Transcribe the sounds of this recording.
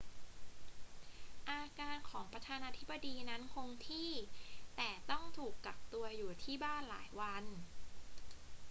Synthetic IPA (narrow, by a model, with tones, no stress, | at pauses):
ʔaː˧kaː˧nkʰɔː˩˦ŋpɾa˧t̪ʰaː˧naː˧t̪ʰi˦˥bːa˧diː˧na˦˥nkʰo˧ŋt̪ʰiː˥˩t̪ɛː˨˩t̪ɔ˥˩ŋt̪ʰuː˨˩kːa˨˩p̚t̪u˧ɐjuː˨˩t̪ʰiː˥˩baː˥˩nla̰ː˩˦jwa˧n